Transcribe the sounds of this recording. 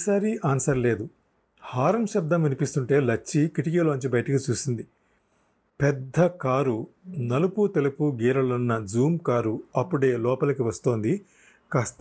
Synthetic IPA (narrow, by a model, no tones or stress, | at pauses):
saːɾiʔaːnsɐɾle̞ːd̪u | haːɾɐmʃɐb̚d̪ɐmʋinipist̪uɳʈe̞ːlɐt͡ʃːikiʈikilɐʋɐɲt͡ʃibɐjɐʈɐkit͡ʃuːsind̪i | pɛd̪ʱːɐkaːɾunɐluput̪elupuɡiːɾɐlunːɐd͡ʒuːmkaːɾuɐpːuɽe̞ːlɔːpɐlɐkiʋɐst̪oːnd̪i | kɐst̪ɐ